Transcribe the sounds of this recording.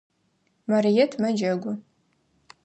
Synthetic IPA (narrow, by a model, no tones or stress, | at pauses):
mɐrijɛtʰmɐd͡ʒɐɡʷʊ